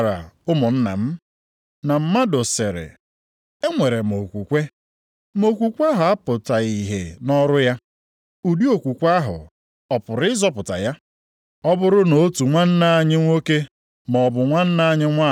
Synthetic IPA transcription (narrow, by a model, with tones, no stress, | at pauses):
ɾa̰˨ʊ˦mʊ˨n̩˦na̰˨m̩˦ | na˨m̩˨ma˦do˨se˨ɾɪ̰˨ | e˦ŋʷe˨ɾe˨mo˨kʷu˨kʷe˦ | mo˨kʷu˨kʷa˦ɦʊ˨a˦pʊ˨ta˨i˨ɦḛ˨nɔ˦ɾʊ˦ja˦ | u˨di˦o˨kʷu˨kʷa˦ɦʊ̰˨ | ɔ˨pʊ˨ɾɪ˦zɔ˦pʊ˨ta̰˨ja˦ | ɔ˦bʊ˦ɾʊ˦no˨˦tu˨ŋʷa˦n̩˦na˦a˨ɲɪ˦ŋʷo˦ke˦ | mɔ˨bʊ˨ŋʷa˦n̩˦na˦ɲɪ˦ŋʷa˦